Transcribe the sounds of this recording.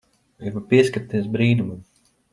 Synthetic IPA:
ɛvapiɛskaɾt̪is̬bɾiːnumam

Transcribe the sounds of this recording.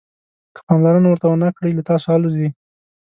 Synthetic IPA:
kə̥pɑmlaɾənawəɾt̪awənakɽəjlat̪ɑsoɑluzwi

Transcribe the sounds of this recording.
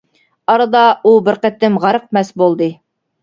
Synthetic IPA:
ɑɾɑd̪ɑubɘɾqæt̪ːɘmʁɑɾɤ̆q̚mæsbolˠd̪ɤ

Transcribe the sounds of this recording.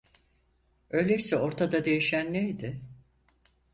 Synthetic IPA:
ø̞jlʲecsɛo̞ɾt̪ʰad̪ad̪e̞jiʃænːejd̪ɪ

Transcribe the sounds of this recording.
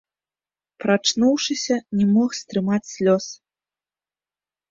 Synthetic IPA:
pɾat͡ʂnuwʂɨsʲɐnʲɛmɔxst̪ɾɨmat͡sʲsʲlʲɔs

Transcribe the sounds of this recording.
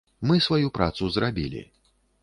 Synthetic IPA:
mɨsvajupɾa̰t̪suzɾabʲilʲḭ

